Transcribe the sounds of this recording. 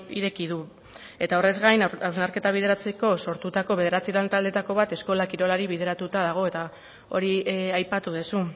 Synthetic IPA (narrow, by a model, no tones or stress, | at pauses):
iɾe̞kiðu | e̞t̪ao̞re̞zɣajnawznaɾke̞t̪aβ̞ið̞e̞ɾat͡se̞ko̞so̞ɾt̪ut̪ako̞βe̞ð̞e̞ɾat͡siɾalnt̪ald̪e̞t̪ako̞βat̪e̞sko̞lakiɾo̞laɾiβið̞e̞ɾat̪ut̪aðaɣ̞o̞e̞t̪a | o̞̰ɾiajpat̪uðesu